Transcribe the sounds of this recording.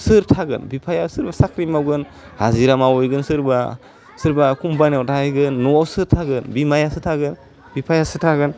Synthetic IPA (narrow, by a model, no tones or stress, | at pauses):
sɯɾtʰaɡɯnbipʰajasɯɾbasakɾimawɡɯn | haziɾamawɔjɡɯnsɯɾba | sɯɾbakumbanawtʰaajɡɯnːɔsɯɾtʰaɡɯnbimajasɯtʰaɡɯn | bipʰajasɯtʰaɡɯn